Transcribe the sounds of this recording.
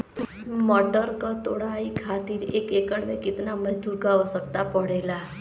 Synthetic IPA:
mɔɖəɾkət̪oɽaikʰat̪iɾekekəɳʋekɪt̪naməd̪uɾɡaʋəsək̚t̪apəɽela

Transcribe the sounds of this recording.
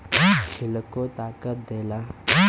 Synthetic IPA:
t͡ʃʰilkot̪aːkət̪̚d̪ela

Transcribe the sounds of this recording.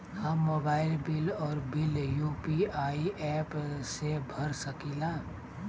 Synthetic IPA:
həmːobaɪlbilɔːɾbiljupiaiɛpsebʱəɾsəkila

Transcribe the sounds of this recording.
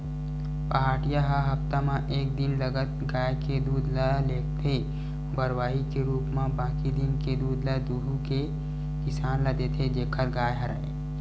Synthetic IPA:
paɦaːʈijaɦəɦɐpt̪amãʔeːk̚d̪ɪnləɡət̪ɡaːjked̪uːd̪lɛleːʈt̪ʰe | bəɾwaːɦikeɾuːpmãbãːkid̪ɪnked̪uːd̪ləd̪uːɾuke | kɪsaːnləd̪et̪ʰed͡ʒeːkʰəɾɡaːjɦəɾa̰e

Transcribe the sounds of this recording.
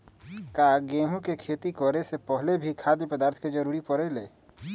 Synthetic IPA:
kaɡeːm̤õkekʰeːt̪ikɔɾesepəɦlebʱikʰaːd̪epəd̪aːɾt̪ʰked͡ʒəɾuːɾipɔɾɛleː

